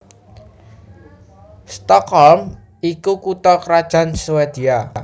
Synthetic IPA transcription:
st̪ɔkhɔlm | ikukut̪ɔkɾad̥ʒ̥ä̤nsowed̪̥ia

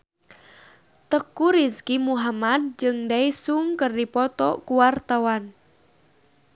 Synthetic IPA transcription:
t̪əkuɾiskimuɦamad̪̚d͡ʒɨŋdaisuŋkərdipɔt̪ɔ̰kuwart̪awan

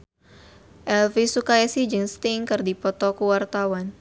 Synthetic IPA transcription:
ʔɛlvisukajasid͡ʒəŋst̪iŋkɨrdipɔt̪ɔkuwart̪awan

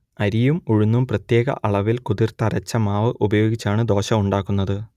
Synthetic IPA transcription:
ɐɾijumuɻunːumprɐt̪je̞ːɡɐ̰ʔɐɭɐʋilkuðirt̪ɐɾɐt͡ɕːɐmaːʋɨʔubɐjo̞ːɡit͡ɕːaːɳɨd̪o̞ːɕɐmuɳɖaːkːunːɐðɨ

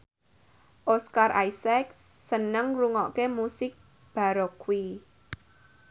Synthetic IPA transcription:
ʔoskarʔajsɛksːənəŋruŋɔʔkemusɪk̚ | b̥a̤ɾɔkwi

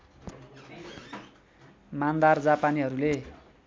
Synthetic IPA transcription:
mand̪ard͡zapaniɦʌɾule

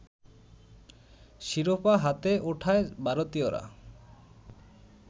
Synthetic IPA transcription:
ʃiɾopaɦat̪eʔuʈʰaebʱaɾot̪ioɾa̰

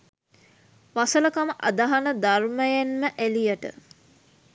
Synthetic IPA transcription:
ʋasələkaməʔad̪aɦanəd̪arməjænməʔælijəʈə̰

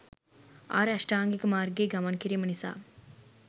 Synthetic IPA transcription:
a̰ːɾɐʂʈaːŋɡikumaːɾɡeːɡɐmɐnkiɾijmɐnisa̰ː

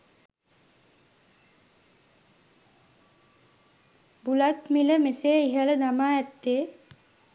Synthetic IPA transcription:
bulat̪miləmeseːiɦələd̪amaːɛt̪ːeː

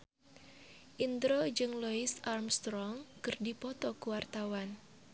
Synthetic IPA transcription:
ʔind̪ɾod͡ʒɨŋlɔisarmst̪ɾɔŋkɨrdipɔt̪ɔkuwart̪awan

